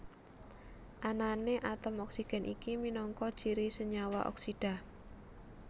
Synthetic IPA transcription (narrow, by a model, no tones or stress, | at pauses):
ʔananeʔat̪əmɔksiɡ̥ɛ̤nʔikiminɔŋkɔd̥t͡ʃiɾisəɲawaʔɔ̰ksiɖ̥a̤